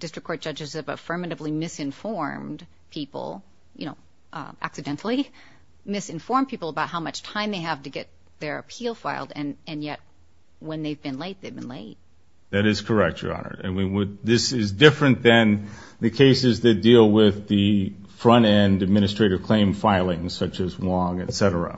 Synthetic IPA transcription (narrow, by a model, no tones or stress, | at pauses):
d̥ɪstɹ̥ɨkʰɔɹt̚ʒ̥ʌd͡ʒɨzɨvə̰fɜ˞mɨɾɨvlimɪsɨ̃ɱfɔɹmd̥ | pʰipl̩ˠ | jɨ̰noʊ | ʔʔæ̰ksɨdɛ̃ntʰl̩ˠi | mɪsɨ̃ɱfɔɹmpʰipl̩ˠəbaʊt̚ɦaʊmʌt͡ʃtʰãɪ̃mðeɪɨv̥tɨɡɛt̪̚ | ðə˞ɨ̰pʰilˠfaɪlˠdɨ̃nɨ̃njɛt̚ | wə̃nðeɪvbɨ̃nleɪt̪̚ðeɪvbɨ̃n̩leɪt̚ | ðɨɾɨz̥kʰə˞ɛk̚tə̰˞ɑ̰nə̰˞ɨ̃nwiwəd̪̚ðɪsɪzdɪfɹɨ̃nðɨ̃nðɨkʰeɪsɨzðɨt̚d̥ilˠwɪðɨ | fɹʌ̃ñɛ̃ndɨd̚mɪ̃nɨstɹ̥eɪɾɨv̥kʰl̥ẽɪ̃ɱfaɪlˠɪ̃ŋ̥sʌt͡ʃɨzlɔ̃ŋɨtsɛɾə̰˞ə̰